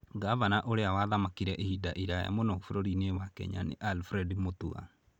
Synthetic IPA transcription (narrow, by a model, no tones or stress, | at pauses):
ɡavanaʔoɾeawaðamakiɾɛʔehidaʔiɾaja̰monɔofoɾoɾinewakɛ̰ɲa̰nḛʔalfɾɛdimotua̰